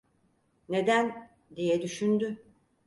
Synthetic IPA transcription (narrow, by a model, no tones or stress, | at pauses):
ne̞d̪æn | d̪ijɛd̪yʃynd̪y